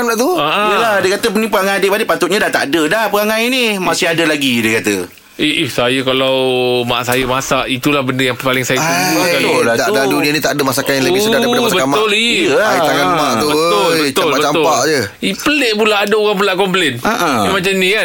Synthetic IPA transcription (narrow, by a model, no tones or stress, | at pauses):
laʔt̪uaʔaəladəkat̪ənĩpəɣaŋajadeʔbadiʔpat̪ʊt̪̚ɲadaʔt̪a̰ʔdədahpəɣaŋãjnimasɪɦadəlaɡidiəkat̪ə̰ | iihsajəkalawma̰ʔsajəmasaʔit̪ulahbəndəjaŋpalɪŋsajətuaad̪adadunianit̪aʔdəmasakajaləbɪsədadaamasabəkatmaʊliəaait̪aŋanmaʔt̪ubət̪ʊlbət̪aʊlabət͡ʃamt̪ʊpaʔd͡ʒə | ipəleʔ̚pulaʔːdaoɣaŋp̬ulaʔkɔmplɛnaʔãimat͡ʃamnika